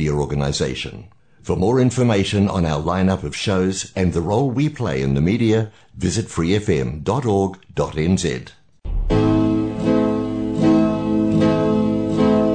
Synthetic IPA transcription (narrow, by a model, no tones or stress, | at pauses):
ɾiəɔɹɡənəɪzeɪʃɨ̰̃n | fə˞mɔːɹɪ̃ɱfə˞meɪʃɨ̃nə̰̃naʊə˞lãɪ̃nʌpʌv̥ʃoʊzɨ̃nðəɹoʊlˠwipʰl̥eɪɨ̃nðɨmiɾiɨ | vɪzɨtfɹiɛfɛ̃mdɑɾɔɹɡd̥ɑɾɛ̃nzɛ̰d̥